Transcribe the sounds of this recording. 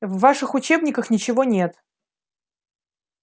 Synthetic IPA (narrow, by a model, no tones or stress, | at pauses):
vːaʂɨxʊt͡ɕe̞bnʲɪkəxnʲɪt͡ɕɪvo̞nʲe̞t̪